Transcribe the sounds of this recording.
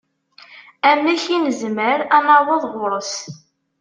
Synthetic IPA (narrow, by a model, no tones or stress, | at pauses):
æmːæçinəzməɾænawɑðˤʁʊɾˤəs